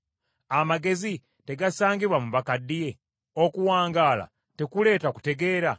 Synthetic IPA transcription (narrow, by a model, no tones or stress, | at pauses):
amaɡe̞zi | te̞ɡasaːŋɡiβwamuβakadːije̞ | okuwaːŋɡaːla̰ | te̞kule̞ːtaku̥te̞ɡe̞ːɾa